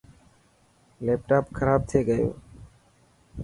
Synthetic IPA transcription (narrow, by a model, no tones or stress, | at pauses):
leːp̚ʈaːpkʰəɾaːb̚t̪ʰeːɡəjo̰ː